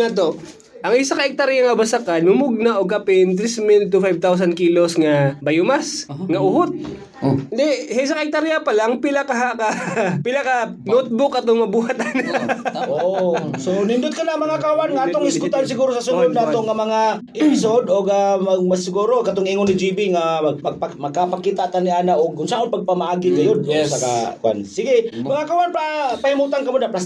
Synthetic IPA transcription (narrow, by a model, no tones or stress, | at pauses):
ŋat̪o | ʔɐŋɪsakɐʔɪk̚t̪aɾɪjaŋɐbasakanʊmʊɡ̚naʔoɡ̚kapɪnt̪̬ɾismɪnt̪ʊfajv̚t̪aws̬ɐn̚kiːlosŋɐbɐjʊmasŋɐʔʊhot̪̚ | d̪ɛhaʔɪsakɐʔɪk̚t̪aɾɪjapɐlaŋpɪlakɐɦakapɪlakanot̪̚bʊkɐt̪oŋmɐbuːɦat̪anosonɪnd̪ʊd̪̚kɐnamɐŋakawanŋaʔat̪oŋɪskʊt̪ans̬ɪɡuːɾosasʊnʊd̪naːt̪oŋːamɐŋaʔɪpɪs̬od̪oɡamɐɡ̚masɪɡuɾokat̪oŋiːŋʊnːɪd͡ʒibiŋamɐpamɐɡ̚kapakiːt̪aʔt̪aniʔaːnaʔoɡ̚kʊnsaʔonpaɡ̚pamaʔaːɡɪɡɐjod̪̚saka̰kʊʔa̰nsiɡɪmɐŋakawanpapahimuːt̪̬ankɐmod̪aplas